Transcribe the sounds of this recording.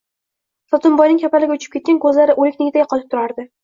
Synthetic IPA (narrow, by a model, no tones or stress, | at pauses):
sɒt̪ʰʊnbɒjnɪŋʲkʰapalɪɡʲaʊt͡ʃʰɪ̥p̚kʲe̞t̪kʲankʰɵzlaɾɪʔolɪkʲnɪɡʲɪt̪ʰaɡʲqʰɒlɪp̚t̪ʰʊɾaɾd̪ɪ